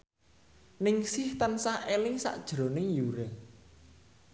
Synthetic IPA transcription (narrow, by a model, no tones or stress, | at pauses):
nɪŋsɪht̪ənsahʔelɪŋsa̰ʔd̥ʒ̥ɾonɪŋjuɾəŋ